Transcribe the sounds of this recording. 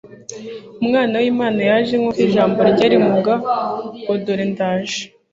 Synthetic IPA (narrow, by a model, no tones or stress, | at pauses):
umŋaːnawimaːnajaʒemŋokiʒaːmboɾɟaɾimuɡawodoɾentaːʒe̥